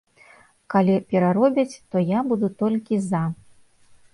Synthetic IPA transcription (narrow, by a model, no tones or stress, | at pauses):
kalʲipʲɛɾaɾɔbʲɐt͡sʲt̪ɔjabud̪ut̪ɔlʲkʲiza